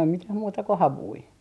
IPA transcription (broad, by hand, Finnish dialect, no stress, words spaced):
ei mitæh muːtɑ ko hɑʋui